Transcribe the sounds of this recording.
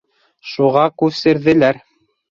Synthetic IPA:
ʃuʁɑkʉβsɘ̆ɾðɘ̆læɾ

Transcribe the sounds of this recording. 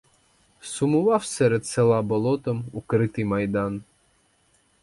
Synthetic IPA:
sʊmʊʋɑwsʲɛɾɛt̪selˠɑbɐlˠɔt̪ɔmʊkɾɪt̪ɨjmɐjd̪ɑn

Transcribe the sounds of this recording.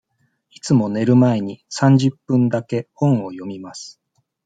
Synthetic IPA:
it͡sɨmo̞ne̞ɾɯ̟mae̞ɲ̟isãɲ̟d͡ʑɨpːɯ̟̃nd̪ake̞hõ̞ɰ̃o̞jo̞mʲimasɨ̥

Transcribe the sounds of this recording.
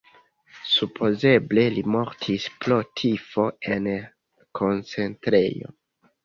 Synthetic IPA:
supʰo̞ze̞ble̞limo̞ɾtʰisplo̞tʰifo̞e̞n | kʰo̞nt͡se̞ntɾe̞̰jo̞̰

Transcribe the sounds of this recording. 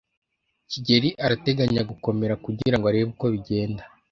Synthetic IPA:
ciɟe̞ɾiʔaɾate̞ɡaɲaɡuko̞me̞ɾakuɟiɾaŋɡoaɾeːβuko̞βiɟe̞ːnda

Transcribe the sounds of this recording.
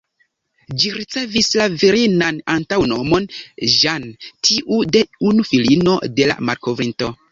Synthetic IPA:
d͡ʒiɾit͡se̞vislaviɾinanantawno̞mo̞nʒantʰiʔude̞unufilino̞de̞la̰maɾko̞vɾinto̞

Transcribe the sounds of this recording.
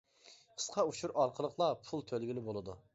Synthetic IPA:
qʰə̥sqʰɑuʃuɾɑɾqʰəlˠəqʰlˠɑpʰulˠt̪ʰølɡʲilɪbolˠɨd̪u

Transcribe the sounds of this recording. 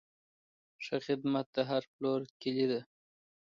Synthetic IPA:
ʂəxɪd̪mat̪̚d̪əɦaɾploɾkilid̪a

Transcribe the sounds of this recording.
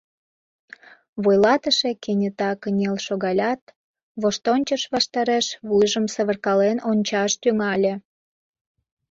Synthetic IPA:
βojlɑt̪əʃekenʲət̪ɑkənʲelʃoɣɑlʲɑt̪ | βoʃt̪onʲt͡ɕəʃβɑʃt̪ɑɾeʃβujʒəmsəβərkɑlenonʲt͡ɕɑʃt̪yŋɑlʲĕ

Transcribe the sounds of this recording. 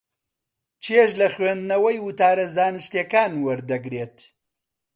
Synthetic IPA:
t͡ʃʰeʃlɐχwend̪nɐwɐjwɨt̪aːɾɐzd̪aːnɨst̪jekaːnwɐɾd̪ɐɡɾeːt̪

